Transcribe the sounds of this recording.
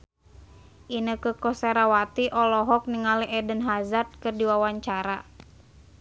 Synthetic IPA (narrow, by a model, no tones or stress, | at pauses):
ʔinəkəkɔsaɾawat̪iʔɔlɔɦɔk̚niŋaliʔɛdənɦazat̪̚kɨrdiwawaɲt͡ʃaɾa